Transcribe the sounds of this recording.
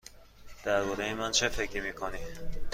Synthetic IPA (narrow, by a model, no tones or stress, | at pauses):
d̪̥æɾbɒːɾejemænt͡ʃʰefekʰimiːkʰoni